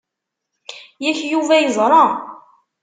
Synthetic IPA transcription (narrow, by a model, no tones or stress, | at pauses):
jæçjuvæjəzˤɾˤɑ